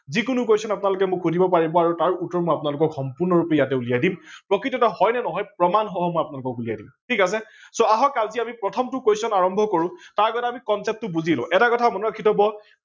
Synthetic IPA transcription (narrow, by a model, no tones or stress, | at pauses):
zikʊnuk̬ejsɔnapʊnalʊk̬ɛmʊkʰxudʱibɔpaɹibɔaɹutaɹutɔɹmɔjapʊnalʊkɔkxɔmpuɹnɔɹupɛjatɛulijajdimpɹɔkɹitɔtahɔjnɛnɔɦɔjpɹɔmanɦɔɦɔmɔjapʊnalʊkɔkulija̰jdimtʰikas̬ɛsoaɦɔkalziamipɹɔtʰɔmtʊkejsɔnaɹɔmbʱɔkoɹũtaɹkɔtaamikɔnsɛp̚tʊbuzilʊ̰̃ʔɛtakɔtʰamɔnuakʰitɔbɔ